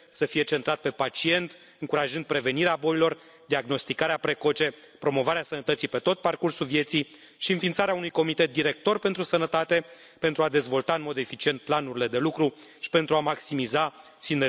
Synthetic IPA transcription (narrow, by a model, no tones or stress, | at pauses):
səfije̞t͡ʃe̞nt̪ɾat̪̚pe̞pat͡ʃie̞nt̪ | ɨŋkuɾaʒɨnd̪̚pɾe̞ve̞niɾeabo̞jilo̞r | d̪iaɡno̞st̪ikaɾeapɾe̞ko̞t͡ʃe̞pɾo̞mo̞vaɾeasənət̪ət̪sipe̞t̪o̞t̪̚parkursulvje̞t̪sij | ʃiɨnfint̪saɾeaunujko̞mit̪et̪̚d̪iɾe̞k̚t̪o̞rpe̞nt̪ɾusənət̪at̪e̞ | pe̞nt̪ɾuad̪e̞zvo̞lt̪aɨnmo̞d̪e̞fit͡ʃie̞nt̪̚planuɾile̞d̪e̞lukɾu | ʃi̥pe̞nt̪ɾuamaksimiza | sine